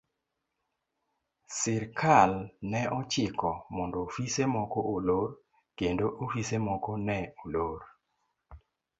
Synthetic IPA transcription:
sɪɾkʰalnɛʔɔt͡ʃɪkɔmɔndɔfisemɔkɔolor | kendoʔofisemɔkɔnɛoloɾ

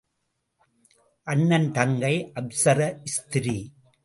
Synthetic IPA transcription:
ʔɐnːɐnt̪ɐŋɡɐɪʔɐbsɐɾɐɪst̪ɪɾi

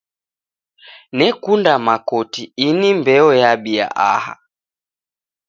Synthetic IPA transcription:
nɛkundamakɔtiinimbɛɔjaɓia̰ʔa̰ha̰

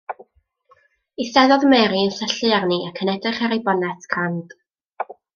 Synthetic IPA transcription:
iθɛðɔðmɛɾiənsəɬɨarniʔakʰənɛdrɨχaɾejbɔnɛtʰkʰand̥

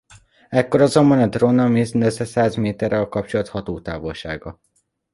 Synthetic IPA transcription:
ɛkːoɾɒzo̞mbɒnɒd̪ronɒmiznøzɛsaːzmeːt̪ɛrɛlkɒp̚t͡ʃolɒt̪hɒt̪oːt̪aːvolʃa̰ːɡɒ

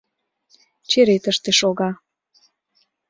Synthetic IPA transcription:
t͡ɕeɾet̪əʃt̪eʃoɣɑ

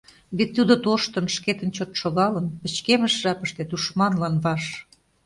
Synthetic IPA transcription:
βet̪ːud̪ot̪oʃt̪ə̆nʃket̪ə̆nt͡ɕot̪ʃoɣɑlə̆npə̆t͡ɕkeməʃʒɑpə̆ʃt̪et̪uʃmɑnlɑnβɑʃ

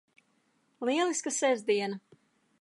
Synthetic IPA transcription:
lˠiɛlˠiskəsɛzd̪iɛna

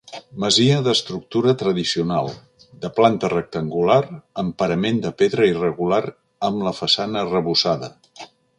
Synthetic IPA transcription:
məziəðəst̪ɾuk̚t̪uɾət̪ɾəðisiunalˠ | d̪əplant̪ərək̚t̪əŋɡulaɾəmpəɾəmend̪əpeðɾəirəɣulaɾ | əmləfəsanərəβusaðə

